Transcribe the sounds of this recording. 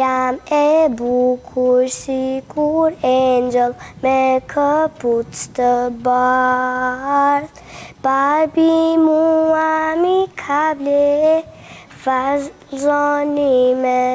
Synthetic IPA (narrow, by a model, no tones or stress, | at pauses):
jamebukʰusikuɾend͡ʒəlmekʰəput͡sʰt̪əba | ɾ | baɾbimuamikʰable | fa | zɔnimɛ